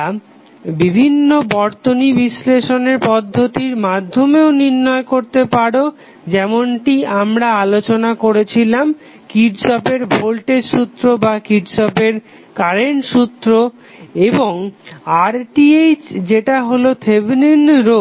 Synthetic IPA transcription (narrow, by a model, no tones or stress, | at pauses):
bibʱinːobɔɾt̪onibisleʃoneɾpɔd̪ʱːot̪iɾmad̪ʱːomeoniɾnːɔekoɾt̪epaɽo | d͡ʑɛmoɳʈiamɾaalot͡ɕonakoɾet͡ɕʰilam | kiʈʃɔpeɾbʱolʈeɾʃut̪ːɾobakiʈʃɔpeɾ | kaɾenʃut̪ːɾo | eboŋaɾʈiejt͡ɕd͡ʑeʈaɦolot̪ʰebninɾo